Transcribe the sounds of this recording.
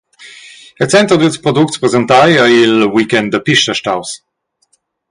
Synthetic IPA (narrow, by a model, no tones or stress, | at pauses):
əlt͡sɛnt̪ɾod̪ilspʁod̪uktspʁezɛnt̪ajəilwikɛnd̪d̪əpiʃt̪əʃtaws